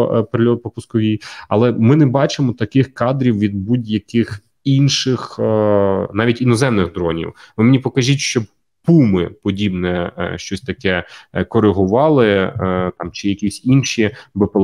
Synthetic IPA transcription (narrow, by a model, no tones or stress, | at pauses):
pɾɪlʲɔt̪̚pɔpʊskɔʋʲijɐ̰lˠɛmɪnɛbɑt͡ʃɪmɔt̪ɐkɪxkɑd̪ɾʲiwʋʲid̪̚budʲjɐkɪx | inʃɪx | nɑʋʲitʲinɔzɛmnɪɣd̪ɾɔnʲḭwʋɪmnʲipɔkɐʒʲitʲʃt͡ʃɔb | pumɪpɔdʲibnɛ̰ʃt͡ʃɔsʲt̪ɐkɛkɔɾɪɦʊʋɑlˠɪt̪ɑmt͡ʃɪjɐkʲisʲinʃibɪplˠ